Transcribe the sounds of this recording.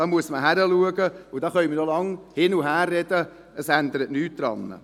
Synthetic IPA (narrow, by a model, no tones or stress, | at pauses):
dɑːmuəsməɦæɾəluəɡəʊdɑːχœʏjmənolɑŋhɪnuɦæːrːɛd̥ə | əsænd̪əɾətnyːt̚d̪̥ɾɑ̰nːə̰